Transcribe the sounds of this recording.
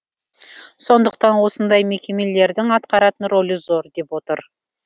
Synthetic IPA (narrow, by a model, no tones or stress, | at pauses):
so̞nd̪əqt̪ɑnwo̞sənd̪ɑjme̞kʲe̞me̞le̞ɾd̪ɪŋɑt̪̚qɑɾɑt̪ənɾo̞lʲəzo̞ɾd̪e̞pwo̞t̪əɾ